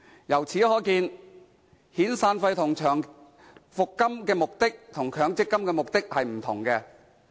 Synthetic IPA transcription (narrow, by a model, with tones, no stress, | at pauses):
jɐ˨˩wt͡sʰiː˨˥hɔː˨˥jkiː˧n | hiː˨˥nsaː˧nfɐ˧jt̪ʰʊ˨˩ŋt͡ʃʰœː˨˩ŋ | fʊ˨kːɐ˥mkɛː˧mʊ˨k̚t̪ɪ˥k̚t̪ʰʊ˨˩ŋkʰœː˨˧˥ŋt͡sɪ˥kːɐ˥mkɛː˧mʊ˨k̚t̪ɪ˥k̚hɐ˨jm̩˨˩t̪ʰʊ˨˩ŋkɛː˧